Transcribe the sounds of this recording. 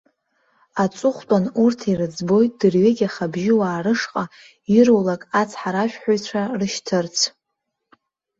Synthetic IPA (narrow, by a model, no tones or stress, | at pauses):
at͡sʷʼʊχʷtʼanurtʰirɨd͡zbo̞jt̚ʼd̥ɨrɥeɡʲaχabʒɪwaːrɨʂqʼa | irowlakʼat͡sʰħaɾaʃᶣħʷajt͡ɕʷʰarɨʃtʰɨrt͡sʰ